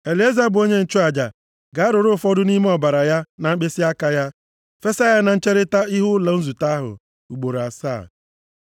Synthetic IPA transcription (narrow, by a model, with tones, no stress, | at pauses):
e˨le˦za˦bʊ˨o˦ɲe˦n̩˨t͡ʃu˦a˨d͡ʒa˨ | ɡa˨a˦ɾʊ˨ɾʊ˦˨fɔ˦dʊ˦ni˦me˦ɔ˨ba˨ɾa˨ja˦na˨ŋ͡m̩˦k͡pe˦si˦a˦ka˨ja˦ | fe˦sa˦ja˦na˨n̩˦t͡ʃe˦ɾɪ˦ta˦i˦ɦʊ˦la˨n̩˦zu˨ta˦ɦʊ̰˨ | u˨ɡ͡bo˨ɾa˨sa̰ː˦˨